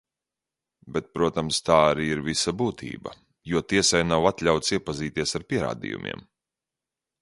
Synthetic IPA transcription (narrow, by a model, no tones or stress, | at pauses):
bɛt̪̚pɾuɔt̪amst̪aːaɾiːiɾvisabuːt̪ʰḭːba̰ | juɔt̪iɛsajnawat̪lʲawt̪siɛpaziːt̪iɛsaɾpʲiɛɾa̰ːd̪ḭjṵmʲʔḭɛm